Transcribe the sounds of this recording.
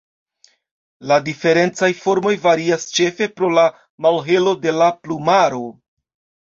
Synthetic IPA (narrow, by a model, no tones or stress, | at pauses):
ladife̞ɾe̞nt͡sajfo̞ɾmo̞jvaɾiast͡ʃe̞fe̞pɾo̞la | malɦe̞lo̞de̞laplumaɾo̞